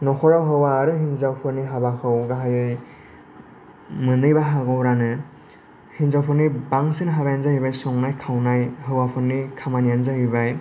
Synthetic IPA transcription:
nɔkʰɔɾawɦɯwaːɾɯɦinzawpʰɯɾniɦabakʰɯwɡaɦajɯj | mɯnɯjbaɦaɡɔwɾanɯ | hinzawpʰɯɾnibaŋsɯnɦabajanzahibajsɔŋnajkʰawnajɦɯwapʰɯnːikʰamanijanzahiβaj

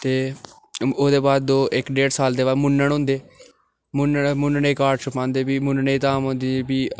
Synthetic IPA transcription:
t̪eː | oːd̪eːbaːd̪̚d̪oːʔɪkɖeːɖsaːld̪eːʋaːmʊnəɳõːnd̪eː | mʊnmʊnɳeːkaːʈt͡ʃʰʊpãːnd̪eːbiːmʊnneːt̪aːmɦõːnd̪ibiː

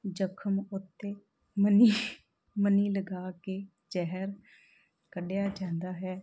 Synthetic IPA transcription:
d͡ʒəkʰəmʊt̪ːeː | məniː | məniːləɡaːkeː | d͡ʒɛɦəɾ | kəɖejaːd͡ʒãːnd̪aːɦɛː

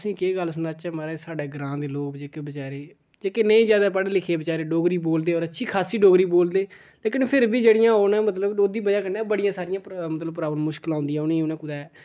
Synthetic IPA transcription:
t̪sĩːkeːɡəlsənaːt͡ʃɛːmaːɾeːsaːɖeːɡɾãːd̪eːloːkd͡ʒeːkeːbət͡ʃaːɾeː | d͡ʒeːkeːneĩːzjaːd̪aːpaɽeːlɪkʰeːbət͡ʃaːɾeːɖoːɡɾiːboːld̪eːɔːɾətːʃʰiːkʰaːsiːɖoːɡɾiːboːld̪eː | leːkɪnpʰɪɾbiːd͡ʒeːɽɪjãːoːnɛ̃ːmət̪ləboːd̪iːbəd͡ʒaːkəɾnːaːbəɽɪjãːsaːɾɪjãːmət̪ləbpɾaːbəlmʊʃkɪlãːnd̪ijãːʊnẽːonɛ̃ːkʊd̪aːɛː

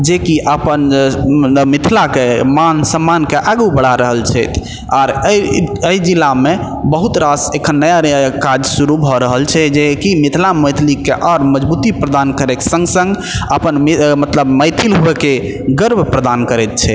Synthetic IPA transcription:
d͡ʒekiʔəpən | mit̪ʰlakemansəmːankeʔaɡubəɽ̤aɾəɦəlt͡ʃʰɛt̪ʰ | aɾ | əjd͡ʒilːame | bəɦut̪ɾasekʰənːəjakad͡ʒsuɾubʱɔɾəɦəlt͡ʃʰɛd͡ʒekimit̪ʰlaməjt̪ʰlikeʔɔɾməd͡ʒbut̪ipɾəd̪ankəɾeksə̃ŋɡsə̃ŋɡ | əpənmmət̪ləbməjt̪ʰilɦoeke | ɡəɾbʱpɾəd̪ankəɾɛt̪̚t͡ʃʰɛ

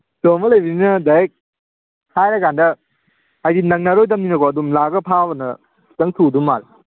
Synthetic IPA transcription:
tomɐlɐjbininɐdajek̚ | hajɾɐkandɐː | jdinɐŋnɐɾojt̬ɐmninɐkɔɐdumlaɡɐpʰabɐnɐ | sʰi̥tɐŋtʰudumːaɾi

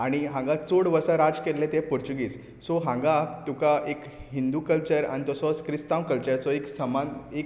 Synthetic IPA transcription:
aɽ̃iɦãŋɡat͡soɽʋəsaɾad͡zkelet̪ẽpuɾt͡ɕuɡiːs | sɔɦãŋɡat̪ukaʔek | ɦind̪ukəlt͡ɕəɾa̰ɽ̃it̪ɔsɔskɾist̪ãmkəlt͡ɕəɾt͡sɔeksəmanek

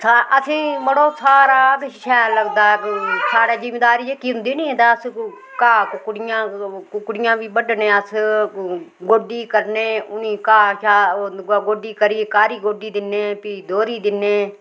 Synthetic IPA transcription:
saʔəsĩːməɽoːsaːɾaːk̪ʃɛːləɡd̪aːksaːɽɛːzɪmeːd̪aːɾiːd͡ʒeːkiːʊ̃nd̪iːnĩːẽt̪aːəs | kaːkʊkɽɪjãːkʊkɽɪjãːʋiːbəɖnẽːəs | ɡoːɖiːkəɾneːʊniːkaːʃaːɡoːɖiːkəɾiːkaːɾiːɡoːɖiːd̪ɪneːpiːd̪oːɾiːd̪ɪneː

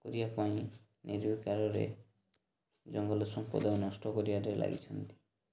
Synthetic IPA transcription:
koɾijapaĩ | neɾbikaɾɔɾḛ | d͡ʒɔŋɡɔlosɔmpɔ̰d̪ɔnɔsʈɔkoɾiaɾelʔa̰ɡḭt͡ʃʰɔnt̪i̥

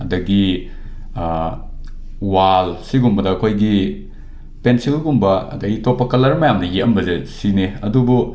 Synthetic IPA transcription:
ɐdɐɡi | walsiɡumbɐdɐːkʰojɡi | pensilɡumbɐɐ̰dɐɡitopːɐkɐlɐɾmɐjamnɐjetɐmbɐzesineɐdubu

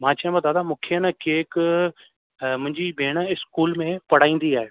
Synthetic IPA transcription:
mãːt͡ʃãmãd̪aːd̪amʊ̃kʰjənakeːk | mʊ̃ɦɪ̃ɲd͡ʒibʱeːɽ̃aɪskuːlmẽpɐɽ̤aːĩːn̆d̪iaːɦe

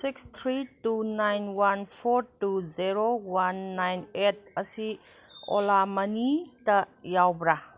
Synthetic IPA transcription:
sikst̪ʰɾitunajnwanpʰoɾtuzeɾowanːajnet̚ɐsi | o̰lamɐnitɐjawbɾa

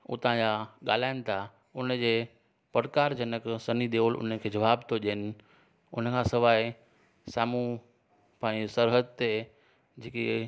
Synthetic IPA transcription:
ʊ̰t̪ãd͡ʑaɠa̰ːl̤aːɪnɪ̆t̪ʰa | ʊnəd͡ʑeː | pɐɽkaːɾd͡ʑɐnəksɐniɗ̪eoːlʔʊ̰nəkʰeːd͡ʑɐʋaːbt̪ʰoʄinɪ̆ | ʊnəkʰãːsɪʋaːɪ | saːmu | pãːsɐɾɦəd̪̚t̪e | d͡ʑeːke

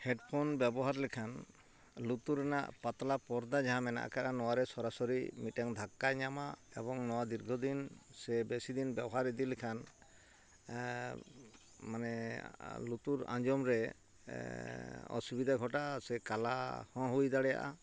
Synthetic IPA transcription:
hɛɖpʰɔnbjɛbɔɦaɾlɛkʰan | lut̪uɾɛna̰ʔpat̪lapɔɾd̪ad͡ʒaɦãmɛna̰ʔkaʔanɔwaɾɛsɔɾasɔɾimiʈaŋd̪ʱakːajɲamaɛbɔŋnɔwad̪iɾɡʱɔd̪insɛbesid̪inbjɛbɔɦaɾɛd̪ilɛkʰan | manɛ | lut̪uɾã̰d͡ʒɔmɾɛ | ɔ̰subid̪ʱaɡʱɔʈaasɛkalahɔ̃ɦujd̪aɽɛja̰ʔa̰

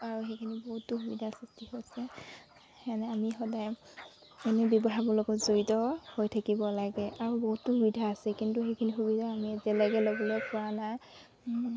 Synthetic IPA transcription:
aɹuɦejkʰiniboɦutːʊxubidʱasistihojsɛ | manɛamixɔdaj | ɛnebjɔbɔɦabɔlɔɡɔzoɹitɔhojtʰakibɔlaɡɛʔaɹuboɦutːʊxubidʱaːsɛkintuxejkʰinixubidʱaːmiɛzɛlaɡɛlɔbɔlɔjpɔɹana

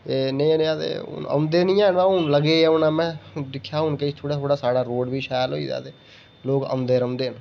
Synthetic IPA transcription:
eːnəĩnẽːəd̪ḛːʊ̰nə̰md̪eːnĩːaːnʋãʊnləɡeːʊnaːmɛ̃ːd̪ɪkʰːjaːɦʊnket̪ʰoːɽaːt̪ʰoːɽaːsaːɽaːɾoːɖbiːʃaːjlɦo̰ːḭːd̪a̰ːt̪e | loːkə̰md̪eːɾəmd̪eːn

